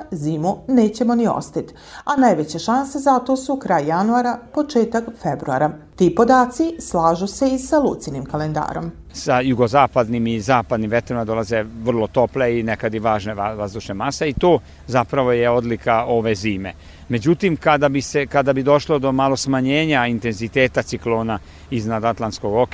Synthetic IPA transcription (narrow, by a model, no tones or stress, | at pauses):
ziːmuneːt͡ɕe̞mo̞nio̰st̪it̪ | anajʋet͡ɕe̞ʃanse̞zat̪o̞sukɾaːjjanuaːɾapo̞t͡ʃe̞ːt̪akfe̞bɾua̰ɾat̪iːpo̞d̪aːt̪sislˠaːʒuse̞isalṵt̪sinimkale̞nd̪a̰ːɾo̞̰m | sajuɡo̞zaːpad̪nimizaːpad̪nimʋe̞t̪ɾimad̪o̞lˠaze̞ʋr̩lo̞t̪o̞pleinekad̪iʋaːʒneaʋazd̪uʃnemaseit̪oː | zapɾaʋo̞jeo̞d̪likao̞ʋe̞ziːmḛ | me̞d͡ʑut̪imkad̪abisekad̪abid̪o̞ʃlo̞d̪o̞malˠo̞smaɲeːɲaint̪e̞nzit̪e̞ːt̪at̪siklo̞ːna | iznad̪at̪lˠant̪sko̞ɡo̞k